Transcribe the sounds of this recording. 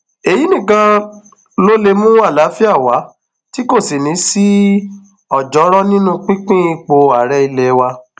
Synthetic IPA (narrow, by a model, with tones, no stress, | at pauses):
e˨ji˨˦nĩ˦˨kã˧ | lo˦le˧mũ˦wa˦˨la˨˦fi˦a˦˨wa˨˦ | ti˦ko˦˨si˨nĩ˨˦si˦ | ɔ˦˨d͡ʒɔ˨˦ɾɔ˦nĩ˦nũ˦k͡pĩ˦k͡pĩ˦i˧k͡po˧a˨ɾɛ˦i˧lɛ˧wa˧